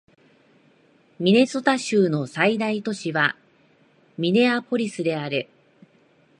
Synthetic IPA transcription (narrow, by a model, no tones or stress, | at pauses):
mʲine̞so̞t̪aɕɨːno̞said̪ait̪o̞ɕiβa | mʲine̞ako̞ɾʲisɨd̪e̞aɾɯ̟